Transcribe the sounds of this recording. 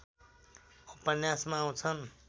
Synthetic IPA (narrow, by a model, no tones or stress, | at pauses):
upənjasmãːw̃t͡sʰʌn